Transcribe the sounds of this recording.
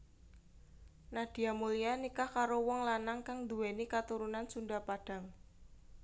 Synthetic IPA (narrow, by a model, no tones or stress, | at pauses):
nad̥i̤amulianikakaɾowɔŋlanaŋkaŋd̪uenikat̪uɾunansundapaɖ̥a̤ŋ